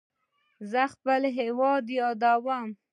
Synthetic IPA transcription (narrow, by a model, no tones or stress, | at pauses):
zəxpəlɦewɑd̪ijɑd̪awam